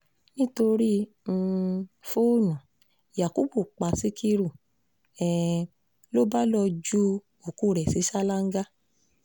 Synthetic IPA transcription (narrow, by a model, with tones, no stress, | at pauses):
nĩ˦to˧ɾi˦ | ũ˧fo˦nã˨ | ja˨ko˦bu˦˨k͡pa˨si˦kʰi˧ɾu˦˨ | ɛ˨ | lo˦ba˦lɔ˧d͡ʒu˦ | o˨ku˦˨ɾɛ˨si˨˦ʃa˦la˦ŋ̩˦ɡa˦